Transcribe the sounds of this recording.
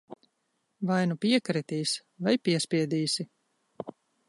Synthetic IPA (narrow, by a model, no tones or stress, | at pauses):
vajnupʲiɛkɾɛt̪iːsvajpʲiɛsʲpʲiɛd̪iːsi